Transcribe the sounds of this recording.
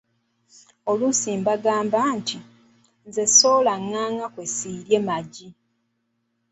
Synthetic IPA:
olusiːmbaɡaːmbantʰi | nze̞so̞ːlaŋːaːŋakwesiːɾjemaɟi

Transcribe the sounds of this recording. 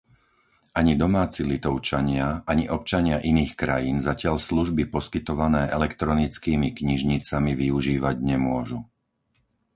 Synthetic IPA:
ʔaɲid̪ɔmaːt͡silit̪ɔʊt͡ʃaɲɪaʔaɲiʔɔp̚t͡ʃaɲɪaʔiniːxkɾajiːnzacɪaʎsluʒbipɔskit̪ɔʋanɛːʔɛlɛkt̪ɾɔnit͡skiːmikɲiʒɲit͡samiʋiuʒiːʋaɟɲɛmʊɔʒu

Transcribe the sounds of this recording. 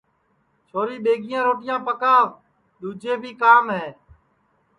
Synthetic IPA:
t͡ʃʰoːɾiːɓeːɡɪjãːɾoːʈɪjãːpəkaːʋ | ɗ̪uːd͡ʒʱeːbʱiːkaːmɦeː

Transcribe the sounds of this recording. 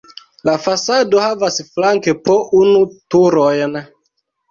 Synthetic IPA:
lafasadohavasflaŋkepɔʔunutuɾɔjnɛ

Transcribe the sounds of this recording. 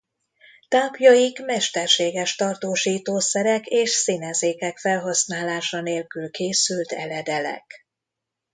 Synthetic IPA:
t̪aːpjɒjikmɛʃt̪ɛrʃeːɡɛʃt̪ɒrt̪oːʃiːt̪oːsɛɾɛkeːʃsinɛzeːkɛkfɛlɦɒsnaːlaːʃɒneːlkylkeːsylt̪ɛ̰lɛd̪ɛlɛ̰k

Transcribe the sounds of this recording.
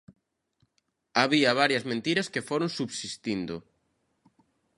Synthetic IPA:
aβiɐβ̞aɾjɐzmẽnt̪iɾɐskefoɾoŋsuβsist̪ind̪ʊ

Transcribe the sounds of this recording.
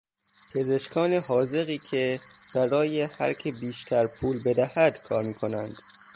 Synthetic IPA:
pʰe̞ze̞ʃkʰɒːneɦɒːze̞ɣiːcʰeb̥æɾɒːjehæ̰ɾcʰebiːʃt̪ʰæɾpʰuːlbe̞d̪æhæd̪̥kʰɒːɾmiːkʰo̞nænd̪̥

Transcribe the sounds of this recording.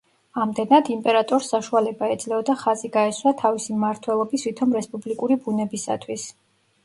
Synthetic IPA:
amd̪ɛnad̪impʼɛɾat̪ʼɔɾsːaʃualɛbaɛd̪zlɛɔd̪aχaziɡaɛswat̪ʰavisimaɾt̪ʰwɛlˠɔbisvit̪ʰɔmɾɛspʼublikʼuɾibunɛbisa̰t̪ʰwis

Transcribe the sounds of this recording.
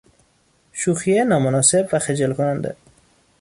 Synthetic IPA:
ʃuxijenɒːmʊnɑsebvaxed͡ʒelkʰonand̪ḛ

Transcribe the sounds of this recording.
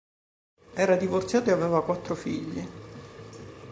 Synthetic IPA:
ɛːɾad̪ivort̪sjaːt̪oeavɛːvakwat̪ːɾofiʎːi

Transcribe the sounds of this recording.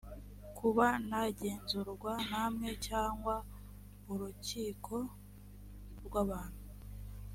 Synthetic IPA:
kʰuβanaɟe̞ːnzuɾɡwanamŋe̞caːŋɡwa | uɾuciːkʰo̞ | ɾɡwaβaːn̥hu

